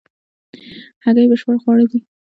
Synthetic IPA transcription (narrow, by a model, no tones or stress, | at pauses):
haɣajebəʃpəɽxwɑɽad̪i